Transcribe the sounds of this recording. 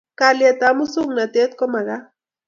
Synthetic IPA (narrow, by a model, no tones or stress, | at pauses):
kaljat̪amusuŋnat̪et̪komaɣa